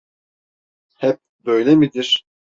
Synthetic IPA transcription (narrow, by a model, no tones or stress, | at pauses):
hɛp̚ | bøjlʲɛmid̪iɾ̥